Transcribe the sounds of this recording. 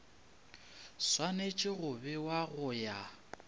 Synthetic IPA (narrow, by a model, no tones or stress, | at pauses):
swanet͡ʃʼɪɣʊbɛwaɣʊja